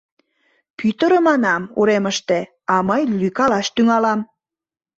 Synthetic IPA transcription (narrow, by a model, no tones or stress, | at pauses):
pyt̪əɾə̆mɑnɑmṵɾeməʃt̪e | ɑməjlykɑlɑʃt̪yŋɑlɑm